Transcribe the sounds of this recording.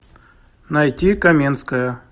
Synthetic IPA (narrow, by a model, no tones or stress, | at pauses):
nɐjtʲikɐmʲinskəjə